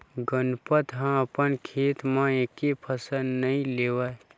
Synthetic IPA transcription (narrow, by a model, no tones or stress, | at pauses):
ɡənpət̪ɦãəpənkʰeːt̪mãekepʰəsənnəĩleːwa